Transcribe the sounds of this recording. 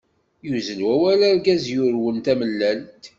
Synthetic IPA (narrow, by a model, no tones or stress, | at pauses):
juzənwæwælæɾɡæzjʊɾwənt̪æməlːænt̪